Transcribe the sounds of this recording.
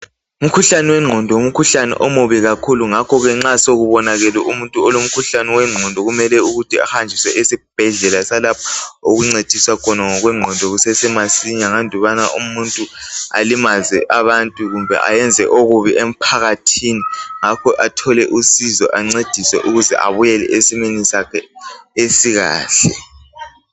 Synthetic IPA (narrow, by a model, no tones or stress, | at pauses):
um̩kʰuɬanɛwɛŋ͡ǃʱɔndʱɔom̩kʰuɬanɛ̰ʔɔmuβiɣakʰuluŋakʰɔɣɛŋ͡ǁasoɣuβɔnaɣɛlɛʔumuntʼuɔlom̩kʰuɬanɛwɛŋ͡ǀʱɔndʱɔɣumɛlɛuɣutʰia̰hand͡ʒʱiswɛ̰ʔesib̥ʱɛɮɛlasalapʰɔ̥oɣuŋ͡ǀed̥ʱiswakʰɔnaŋɔɣwɛŋ͡ǃʱɔndʱɔɣusɛsɛmasiɲaŋandʱuβanaʔumuntʼua̰limazɛʔaβantʼuɣumbʱɛ̰ʔa̰jɛnd͡zʱɛʔoɣuβiʔem̩pʰaɣatʰiniŋakʰɔʔatʰɔlɛʔusizɔ̰ʔaŋ͡ǀed̥ʱiswɛ̰ʔuɣuzɛ̰ʔa̰βujɛlɛ̰ʔesimenisakʰɛesiɣa̰ːɬɛ